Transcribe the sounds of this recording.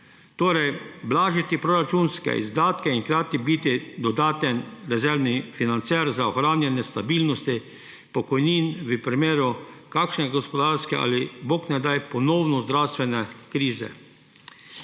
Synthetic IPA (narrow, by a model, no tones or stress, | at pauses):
t̪oːɾɛjblaːʒit̪ipɾoɾat͡ʃunskɛ̰ḭzd̪aːt̪kɛiŋkɾaːt̪ibit̪id̪ɔd̪aːt̪ɛnɾɛzɛɾnifinant̪sɛɾzaɔxɾaːnjɛnjɛst̪abiːlnɔst̪i | pɔkɔjniːnʋəpɾimeːɾukaːkʃnɛɡɔspɔd̪aɾskɛʔa̰ːliboːknɛd̪ajpɔnɔːwnɔzd̪ɾawst̪ʋɛnɛkɾiːzɛ̰